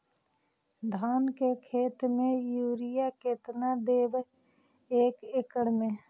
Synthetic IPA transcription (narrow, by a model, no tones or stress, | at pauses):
d̪ʱaːnkekʰeːt̪mẽjuːɾɪjaket̪nad̪eːʋ | eːkekəɽmẽ